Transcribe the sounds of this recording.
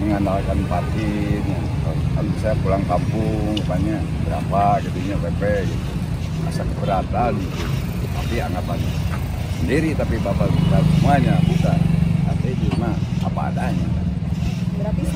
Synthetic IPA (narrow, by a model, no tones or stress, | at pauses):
əŋandalkanpat̪ina | k̪akansajapulaŋkampuŋkapaɲabəɾa̰pakit̪uɲawɛpɛjit̪u | a̰sakbəɾat̪alit̪u | t̪apiaŋat̪ana | səndiɾit̪apibapabut̪asəmuaɲabut̪aa̰t̪ad͡ʒumaa̰pa̰ːdaɲat̪a